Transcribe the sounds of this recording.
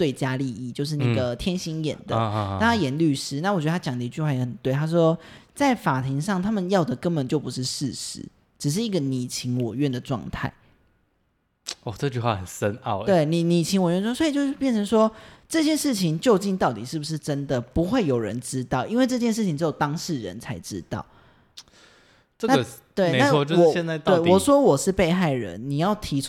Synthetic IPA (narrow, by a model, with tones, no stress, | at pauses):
t͡swe˥˩ɪt͡ɕja˥li˥˧i˥˩t͡ɕjo˥˧ʊʂ̬ɻ̩˥˩na˥˩ɡə˩t̪ʰjɛ˥nɕi˥ŋjɛ̰˨˩nd̪ə̰˦˧˥t̪ʰa˥jɛ˨˩nly˥˧ʂɻ̩˥na˥˩wt͡ɕɛ˧˥də˧˩a˥t͡ɕjɑ˨˩ŋd̪ə˧i˧t͡ɕy˥˧xwa˥˩jɛ˧˥xə˨˩nt̪we˥˩ɪt̪ʰa˥ʂ̬wɔ˥t͡sa˥˩ɪfa˨˩t̪ʰi˧˥ŋʂɑ˥˩ŋt̪ʰa˥mə˨njɑ˥˨˩ʊd̪ə˩kə˧˦nbə˨˩nt͡ɕjo˥˩ʊpu˧˦ʂɻ̩˥˧ʂɻ̩˥˩ʂɻ̩̰˧˩˦ | ʈ͡ʂɻ̩˨˩ʂ̬ɻ̩˥˩i˧˥ɡə˨ni˨˩t͡ɕʰi˧˥ŋwɔ˨˩ɥɛ˥˩nd̪ə˩ʈ͡ʂwɑ̰˥˧ŋt̪ʰa̰˥˩ɪ | ɔ˥˩ʈ͡ʂɤ˥˧t͡ɕy˥˧xwa̰˥˩xə˨˩nsə˦na̰˥˩ʊt̪we˥˩ɪni˨˩ni˨˩t͡ɕʰi˧˥ŋwɔ˨ɥɛ˥˩˧so˧˥i˨˩t͡ɕo˥˧ʂ̩˥˩pjnʈ͡ʂʰə˧˦ŋʂwɔ˥ʈ͡ʂɤ˥˧ɕjɛ˥˧ʂɻ̩˥˩t͡ɕʰi˨˩ŋt͡ɕjo˥˧ʊt͡ɕi˥˧nt̪ɑ˥˩ʊt̪i˨˩ʂɻ̩˥˩bu˩ʂɻ̩˥˩ʈ͡ʂə˦˥nd̪ə˨pu˧˦xwe˥˩ɪjo˨˩ʊɻə̰˧˦nʈ͡ʂɻ̩˥t̪ɑ˥˩ʊʔi˥nwe˥˧ɪʈ͡ʂɤ˥˧t͡ɕjɛ˥˧nʂ̬ɻ̩ʰ˥˩i˧ŋʈ͡ʂɻjo˨˩ʊt̪ɑ˥ŋʂɻ̩˥˩ɻə̰˧˦nt͡sʰa˧˥ɪʈ͡ʂɻ̩˥t̪ɑ̰˥˩ʊ | ʈ͡ʂə˥˧na˥˨˩t̪we˥˩ɪe˧na˥wɔ˧˨o˥˧wɔ˨˩jɛ˥˧nt͡sa˥˧t̪we˥˨˩ɪwɔ˨˩ʂwɔ˥wɔ˨˩ʂɻ̩˥˧pe˥˧ɪxa˥˩ɪɻə̰˧˦nːi˨˩jɑ˥˩ʊt̪ʰi˧˥